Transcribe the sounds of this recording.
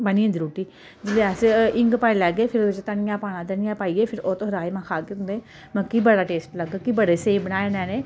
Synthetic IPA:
bəniːẽnd̪iɾuːʈiː | d͡ʒɪleːɛsɪŋɡpaːelɛːɡeːpʰɪɾt͡ʃt̪ənɪjãːpaːnãːd̪ənɪjãːpaːiːeːpʰɪɾoːt̪õːɾaːemãːkʰaːkeʊ̃nd̪eː | mə̃kiːbəɽaːʈeːsʈləɡkiːbəɽeːseːbənaːenɛ̃ːneː

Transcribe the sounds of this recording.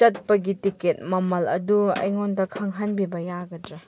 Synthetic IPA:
t͡ʃɐt̚pɐɡitiket̚mɐmɐlɐ̰duɐ̰jŋondɐkʰɐŋɦɐnbibɐjaɡɐdɾa

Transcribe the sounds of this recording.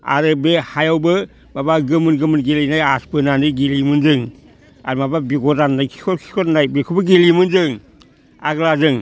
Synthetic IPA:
a̰ɾɯbehajawbɯ | mabaɡɯmɯnɡɯmɯnɡelinajaspɯnanɯɡilimɯnd͡ʒɯŋ | a̰ɾmababiɡɔtanajkʰi̥kʰɔkʰi̥kʰɔtnajbikʰubɯɡilimɯnzɯŋ | a̰ɡlazɯŋ

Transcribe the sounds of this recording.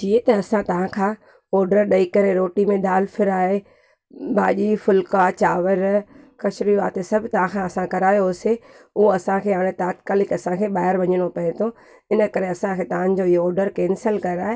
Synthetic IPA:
t͡ɕiːet̪ɐːsãt̪ɐʋ̤ãkʰãː | ɔːɾɖəɾɗɐikɐɾeɾoːʈimẽd̪aːlfʰɪɾaːɦe | bʱaːʄifʊlkat͡ɕaːʋəɾkɐʃɾiʋaːt̪esɐbʱt̪ɐʋ̤ãkʰãɐsãkɐɾaːjose | ʊoɐsãkʰeːaːɽ̃ẽt̪aːt̪kaːlɪkɐsãkʰeːɓaːɦɪɾʋɐɲəɽ̃opɐɦẽt̪ʰo | ɪnə̆kɐɾeɐsãkʰeːt̪ɐʋ̤ãnɪ̆d͡ʑoɪɦoɔːɾɖəɾkɛːnsəlkɐɾəaːɦe

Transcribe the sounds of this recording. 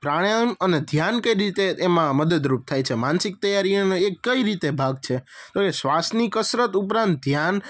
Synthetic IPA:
pɾaɽəməned̪ʱjankəjɾit̪eːmãməd̪əd̪ɾup̚t̪ʰajt͡ʃʰemansɪk̚t̪əjaɾinekəiɾit̪ebʱaɡ̚t͡ʃʰet̪oesʋasnikəsɾət̪upɾãnt̪̚d̪ʱjan

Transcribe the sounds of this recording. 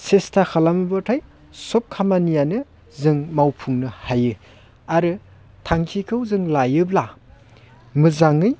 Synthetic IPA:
sestʰakʰalamɯbɯtʰaj | sop̚kʰamanijanɯ | zɯŋmawpʰuŋnɯhajɯ | aɾɯ | tʰaŋkʰikʰɯwzɯŋlajɯbla | mɯzaŋɯj

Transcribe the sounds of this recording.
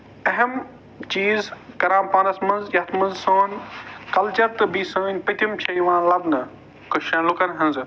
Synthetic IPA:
ɐɦɐm | t͡ʃiːzkɐɾãːmpaːnɐsmɐnzjɐt̪ʰmɐnzsoːnkɐlt͡ʃɐɾt̪ɨbisəːnʲpɐt̪ʰimt͡ʃʰɐjʋãːnlɐbnɐ | kɐʃãːnlukɐnɦɐ̃nz

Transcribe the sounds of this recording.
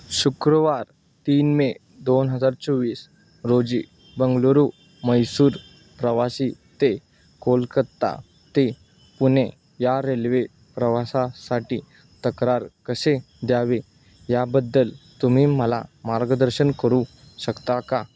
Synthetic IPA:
ɕukɾəʋaɾ | t̪iːnme | d̪onɦəd͡zaɾt͡sɔʋiːs | ɾod͡ʑḭː | bəŋɡloɾu | məjsuːɾ | pɾəʋasiː | t̪e | kolkəɾt̪a̰ | t̪e | pune | jaɾelʋe | pɾəʋasasaʈiː | t̪əkɾaɾkəse | d̪jaʋe | jabəd̪ːəlt̪umiːməla̰maɾɡəd̪əɾɕənkəɾũ | ɕəkt̪aka

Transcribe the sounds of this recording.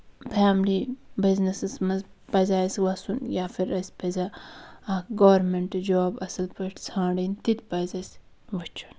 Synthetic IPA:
pʰaːmlibiznɐsɨsmɐz | pɐzaːswɐsunjaːfiɾɐspezɐɐɡoːɾmeɳʈd͡ʒoːbɐsɐlpɐʈt͡sʰãːɖint̪it̪pɐzɐs | ʋɐt͡ʃʰu̥n

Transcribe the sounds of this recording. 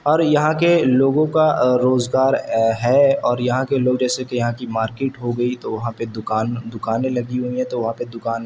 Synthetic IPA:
ɔːɾjɐɦãkeloːɡõkaɾoːzɡaːɾɦɛɔːɾjɐɦãkeloːɡd͡ʒɛːsekejɐɦãkimaːɾkeːʈɦoɡɐit̪oʋɐɦãped̪ʊkaːnd̪ʊkaːnẽlɐɡiɦuiɦɛ̃t̪oʋɐɦãped̪ʊkaːn

